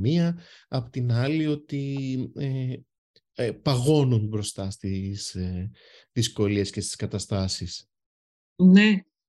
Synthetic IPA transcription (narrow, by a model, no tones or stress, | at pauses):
miɐɐpot̪inɐlio̞t̪ie | pɐɣo̞nunbɾo̞st̪ɐst̪is | ðisko̞lie̞sce̞st̪i̥skɐt̪ɐst̪ɐsis | ne